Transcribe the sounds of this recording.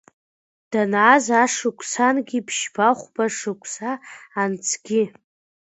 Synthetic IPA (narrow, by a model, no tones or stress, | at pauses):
d̥anazaʂɨkʷʰʼsanɡʲipʰʃbaχʷbaʂɨkʷʰʼsaːnt͡sʰɡʲi